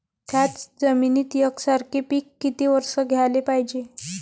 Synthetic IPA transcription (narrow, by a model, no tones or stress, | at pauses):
t̪ʰjat͡sd͡zəminiːt̪jəksaɾkʰepiːkːit̪iʋəɾsəɡʱjalepaɦid͡ʑe